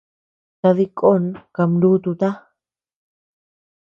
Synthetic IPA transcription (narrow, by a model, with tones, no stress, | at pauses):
t̪a˧ði˦˧kʼo˦nka˧mɾu˦t̪u˧t̪a˦